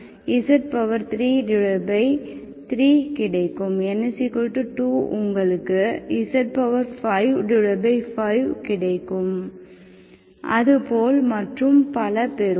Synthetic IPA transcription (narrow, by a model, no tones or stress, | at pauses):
ɪsɐʈ̚pɐʋɐɾt̪ɾiːɖɪɻɐbɐɪ | t̪ɪɾiːkɪɽɐɪkːɯmɛnːɐsɪkːɔʈːɯʈuːʊŋɡɐɭɯkːɯɪsɐʈ̚pɐʋɐɾfɐɪʋɖɪɻɐbɐɪfɐɪʋkɪɽɐɪkːɯm | ʔɐðɯpoːlmɐʈrɯmpɐlɐpɛɾ